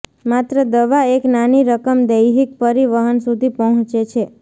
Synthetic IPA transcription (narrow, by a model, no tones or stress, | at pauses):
mat̪ɾəd̪əʋaeknaniɾəkəmd̪əjɦik̚pəɾiʋəɦənsud̪ʱipəɦə̃t͡ʃet͡ʃʰe